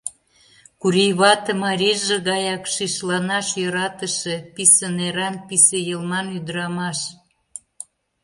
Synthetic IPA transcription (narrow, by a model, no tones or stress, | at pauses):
kuɾijβɑt̪ĕmɑɾʲiʒeɣɑjɑkʃiʃlɑnɑʃjoɾɑt̪əʃepisəneɾɑnpisejəlmɑnyd̪əɾɑmɑʃ